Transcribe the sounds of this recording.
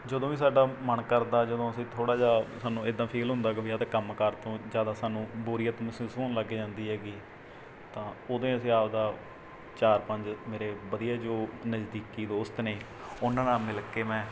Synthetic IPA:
d͡ʒəd̪õːʋiːsaːɖaːmənkəɾd̪aːd͡ʒəd̪õːəsĩːt̪ʰoːɽaːd͡ʒaːsaːnːũːɪd̪ːãːpʰeːlɦʊ̃nd̪aːɡʋiat̪ːkəmkəɾt̪õːzjaːd̪aːsaːnũːbuːɾiːət̪ːmsĩsoːnləɡːiːd͡ʒãːnd̪iːɦɛːɡiː | t̪ãːoːd̪ẽːəs̬ĩːaːpd̪aː | t͡ʃaːɾpə̃ɲd͡ʒmeːɾeːʋəd̪ijaːd͡ʒoːnəd͡ʒd̪iːkiːd̪oːst̪neː | ʊnãːnaːmɪlkeːmɛ̃ː

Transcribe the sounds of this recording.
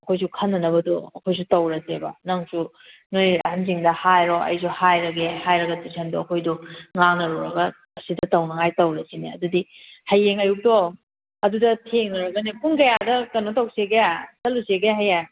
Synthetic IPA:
ɐkʰojs̬ukʰɐnːɐnɐbɐduɐkʰojs̬utɐwɾɐsebɐnɐŋsu | nojɐ̰hɐnz̬iŋdɐhajɾoʔɐ̰jsʰuhajɾɐɡehajɾɐɡɐtisʰɐnduɐkʰojduŋaŋnɐɾuɾɐɡɐː | sidɐtɐwnɐŋajtɐwɾɐsiniɐdudi | hɐjːeŋɐjuk̚do | ɐdudɐtʰeŋnɐɾɐɡɐnikʰuŋkɐjadɐkɐnotɐwseɡeasɐluseɡeɦajaj

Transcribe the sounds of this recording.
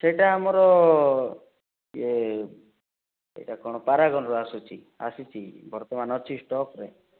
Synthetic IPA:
seʈaamɔɾɔ | d͡ʒe | ḛjʈakɔɽ̃ɔpaɾaɡɔnɔɾɔasut͡ʃʰi | a̰sit͡ʃʰibɔɾt̪ɔmanɔt͡ʃʰisʈɔkɾḛ

